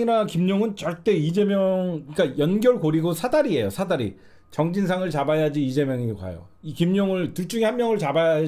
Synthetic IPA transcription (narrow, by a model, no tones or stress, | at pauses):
inakimɲoŋɯnt͡ɕʌɭt͈e̞id͡ʑe̞mjʌŋik͈ajʌnɡjʌɭkoɾiɡosʰadaɾie̞josʰadaɾḭ | t͡ɕʌŋd͡ʑins̬ʰaŋɯɭt͡ɕabajad͡ʑiːd͡ʑe̞mjʌŋikwa̰jo̰ | ikimɲoŋɯɭtuɭt͡ɕ͈uŋihanmjʌŋɯɭt͡ɕabaja